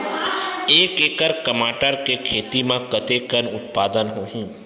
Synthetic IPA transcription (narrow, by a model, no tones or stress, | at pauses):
eːkeːkəɾkəmaːʈəɾkekʰeːt̪imãkət̪ekənʊt̪̚paːd̪ənɦoɦũː